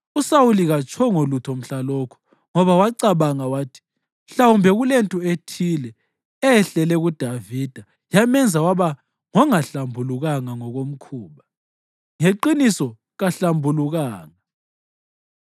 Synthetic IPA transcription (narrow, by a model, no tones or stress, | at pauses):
usawuliɣat͡ʃʰʼɔŋolutʰɔm̩ɬalɔːkʰu̥ | ŋɔβawaǀaβaŋawaːtʰi̥ | ɬawumbʱɛɣulentʼuetʰilɛ | ɛɛɬɛlɛɣud̥ʱaviːd̥ʱa | jamɛnd͡zʱawaβa | ŋɔŋaɬambʱuluɣaŋaŋɔɣom̩kʰuːβa | ŋeǃinisɔ | ɣaɬambʱuluɣaːŋa